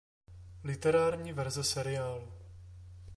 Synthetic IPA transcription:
lɪt̪ɛɾaːɾɲiːvɛɾzɛsɛɾɪaːl

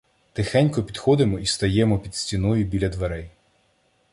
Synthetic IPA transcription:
t̪ɪxɛnʲkɔpʲid̪xɔd̪ɪmɔist̪ɐjɛmɔpʲid̪sʲtʲinɔjʊbʲilʲɐd̪ʋeɾɛj

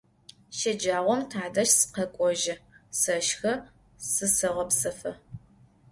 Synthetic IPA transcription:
ʃɐd͡ʒaːʁʷɔmtʰaːdɐʃsqɐkʷʼɔʒɐsɐʃxɐ | sɨsɨʁɐpsɐfɐ

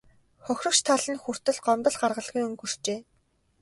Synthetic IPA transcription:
χɔxʲrɞ̆kt͡ɕt̪ʰaɮə̆nxur̥t̪ɘ̆ɮɢɔmt̪ɞ̆ɮɢarʁə̆ɮʁujɵŋɡɵ̆r̥t͡ɕeː

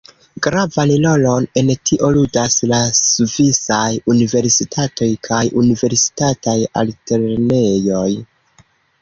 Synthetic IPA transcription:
ɡɾavanlo̞no̞ne̞ntʰiʔo̞ludaslasuvisajunive̞ɾsitʰato̞jkʰajunive̞ɾsi̥tataja̰lte̞ɾne̞jo̞j

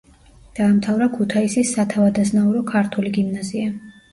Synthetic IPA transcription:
d̪̥aːmt̪ʰavɾakʰut̪ʰaisisːat̪ʰavad̪aznauɾɔkʰaɾt̪ʰuliɡimnazia

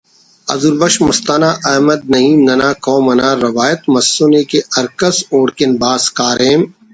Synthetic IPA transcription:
ɐ̰zuɾbɐʃmʊst̪aːnaːʔɐːmɐd̪̚nɐɦiːmnɐnaːkɔ̃ːmɐnaːɾɐʋaːjət̪mɐsːoːnekeʔɐɾkɐsoːɽkenbaːskaːɾeːm

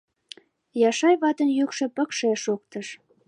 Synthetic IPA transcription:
jɑʃɑjβɑt̪ənjykʃĕpə̆kʃeʃok̚t̪əʃ

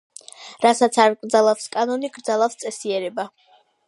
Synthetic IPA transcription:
ɾasat̪sʰaɾɡɾd̪zalˠafskʼanɔniɡɾd̪zalˠafst̪sʼɛsiɛɾɛba

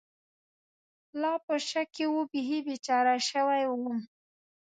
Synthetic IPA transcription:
lɑpəʃakːewubɪɦibet͡ʃɑɾaʃəwajwum

